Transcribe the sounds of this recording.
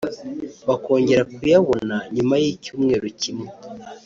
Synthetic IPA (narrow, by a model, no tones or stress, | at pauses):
βako̞ːɲɟe̞ɾakujaβonaɲumajiːcuːmŋe̞ːɾucimŋe